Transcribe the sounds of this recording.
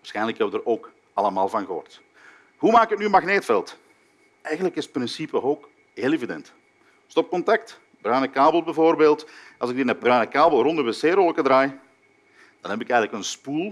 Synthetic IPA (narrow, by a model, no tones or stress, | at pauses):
ʋaːrsxɛjnləkhɛbədəɾoːk | ɑlˠəmaːlˠvɑnɣəɔ̰rt | ɦumaːkətnyənmaɣneːtfɛlˠt | ɛjɣənləkɪsətprɪnsipəɦoːk | ɦeːlˠevidɛ̰nt | stɔp̚kɔntɑk̚t | b̥rœɥnəkaːbəl̩ˠbɛvoːrbeːlˠtʔɑlˠzɪɡ̚dinɛbrœɥnəkaːbəlˠrɔndəbəseːɾolˠəkədɾaːj | d̥ɑnɦɛbɪkɛjɣənləkənspulˠ